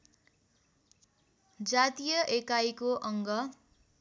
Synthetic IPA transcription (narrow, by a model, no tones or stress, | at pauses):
d͡zat̪ijʌʔekajkoʔʌŋɡʌ